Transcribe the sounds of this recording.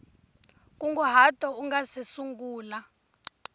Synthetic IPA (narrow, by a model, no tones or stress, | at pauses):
kʼuŋɡuɦatʼɔuŋɡasisuŋɡuːla